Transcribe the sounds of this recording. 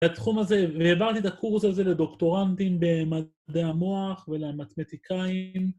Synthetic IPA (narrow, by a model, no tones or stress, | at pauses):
at̪χumazeveːvaʁt̪it̪akʰuʁsalze̞led̪o̞kt̪o̞ʁant̪imbema | deamo̞aχvelemat̪met̪ikʰaim